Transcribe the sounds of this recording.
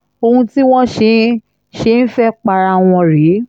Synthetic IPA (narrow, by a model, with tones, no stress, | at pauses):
o˧hũ˧ti˦w̃ɔ̃˦ʃe˧˦ | ʃe˧˦n̩˦fɛ˦k͡pa˧ɾa˧˨w̃ɔ̃˧ɾe˨˦